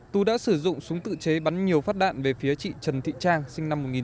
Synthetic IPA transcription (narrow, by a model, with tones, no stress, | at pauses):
t̪u˧ɗa̰ː˧˥sɨ˧˩zʊ̰˧˨ŋ͡msʊ˨˦ŋ͡mt̪ɨ̰˧˨t͡ɕe˨˦ɓa˨˦nɲi˨˩əwfaː˦˥t̚ɗa̰ː˧˨nve˨˩fi˨˦ət͡ɕḭ˧˨t͡ɕə˨˩nt̪ʰḭ˧˨t͡ɕaː˧ŋsï˧ŋna˧mːo˨˩t̚ŋi˨˩